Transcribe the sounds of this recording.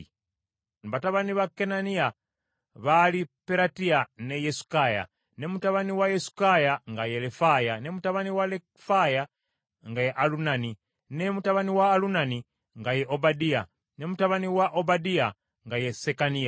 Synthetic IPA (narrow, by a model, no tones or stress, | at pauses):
βataβaniβakːenania | βalipeɾatianejesu̥kaja̰ | ne̞mutaβaniwajesu̥kajaŋɡajelefajane̞mutaβaniwalekfaja | ŋɡajeʔalunani | nemutaβaniwaːlunani | ŋɡajeʔobadia | ne̞mutaβaniwaʔobadia | ŋɡajesekania